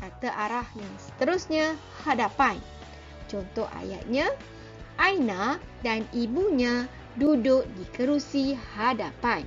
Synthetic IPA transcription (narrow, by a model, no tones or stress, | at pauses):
kat̪əʔaɾahjaŋsə̥t̪əɾʊsɲã | hadapan | t͡ʃɔnt̪ɔha̰ja̰ʔ̪̚ɲã | ʔajnadanibuɲã | dudʊʔ̚dikəɾusihadapan